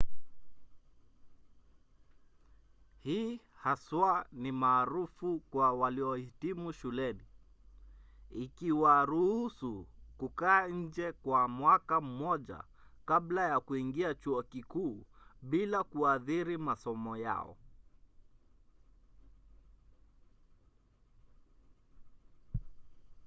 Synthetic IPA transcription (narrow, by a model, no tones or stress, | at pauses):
hiːhaswanimaːɾufukwawaliɔhitimuʃulɛni | ikiwaɾuhusukukaːɲ̩d͡ʒɛkwamwakam̩mɔʄa̰ | kablajakuiŋɡiat͡ʃuɔkikuːɓilakuaðiɾimasɔmɔja̰ɔ̰